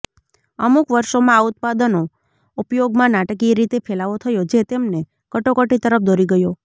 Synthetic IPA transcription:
əmukʋəɾʃomãaʊt̪̚pad̪əno | upjoɡmãnaʈkiɾit̪epʰelaʋot̪ʰəjod͡ʒet̪emne | kəʈokəʈit̪əɾəp̚ʰd̪ʱoɾiɡəjo

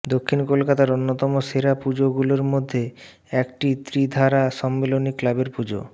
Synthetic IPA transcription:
d̪okʰːinkolkat̪aɾonːot̪ɔmoseɾapud͡ʑoɡuloɾmod̪ʱːe | ɛkʈit̪ɾid̪ʱaɾaʃɔmːeloniklabeɾpud͡ʑo̰

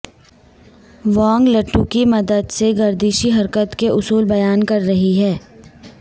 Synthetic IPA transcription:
ʋɔ̃ːŋɡlɐʈʰːukimɐd̪əd̪seɡɐɾd̪iːʃiɦɐɾkət̪keʔʊsuːlbɐjaːnkɐɾːɐɦiɦɛː

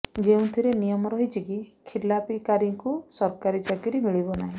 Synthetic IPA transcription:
d͡ʒeũt̪ʰiɾenijɔmɔɾɔɦit͡ʃʰikikʰilapikaɾiŋkusɔɾkaɾid͡ʒaɡiɾimiɭibɔnaɦĩ

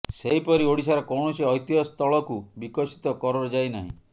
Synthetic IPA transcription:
seɦipɔɾioɽisaɾɔkɔwɳɔseɔjt̪iɔst̪ɔɭɔkubikɔsi̥t̪ɔkɔɾɔɾɔd͡ʒajnaɦḭ̃

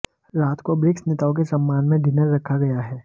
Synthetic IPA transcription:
ɾaːt̪kobɾɪksnet̪aːõk̬esɐmːaːnmẽɖɪnəɾːɐkʰaɡɐjaɦɛː

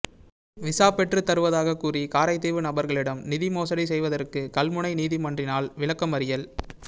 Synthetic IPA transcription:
ʋɪsaːpɛʈrɯt̪ːɐɾɯʋɐðaːɣɐkːuːrikaːɾɐɪt̪ːeːʋɯnɐbɐɾɣɐɭɪɽɐmnɪðɪmoːsɐɽisɛjʋɐðɐrkɯkɐlmʊɳɐɪniːðimɐndrɪnaːlʋɪɭɐkːɐmɐɾɪjɐl

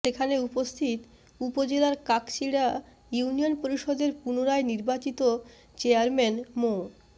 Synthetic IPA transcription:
ʃekʰaneupost̪ʰit̪ | upod͡ʑelaɾkaksiɽa | junionpoɾiʃɔd̪eɾpunoɾaeniɾbat͡ɕit̪o | t͡ɕeaɾmɛnmo

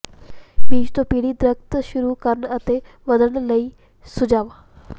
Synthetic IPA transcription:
biːt͡ʃt̪opiːɽid̪ɾəkt̪ʃʊɾukəɾəɳət̪e | ʋəd̪əɳləiː | sʊd͡ʒaːʋaː

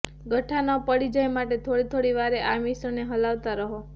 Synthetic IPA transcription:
ɡʱəʈʰːanəpəɽid͡ʒəjmaʈet̪ʰoɽit̪ʰoɽiʋaɾeʔamisəneɦəlaʋt̪aɾəɦo

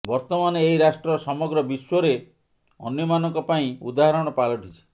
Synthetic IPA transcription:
bɔɾt̪ɔmaneːɦiɾasʈɾɔsɔmɔɡɾɔbiswɔɾe | ɔ̰njɔmanɔŋkɔpaĩṵd̪aɦaɾɔɽ̃ɔpalɔʈit͡ʃʰi̥

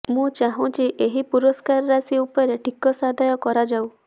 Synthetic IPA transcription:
mũt͡ʃaɦũt͡ʃʰiʔeɦipuɾɔskaɾɔɾasiupɔɔɾeʈʰikɔsad̪ʱajɔkɔɾad͡ʒaw

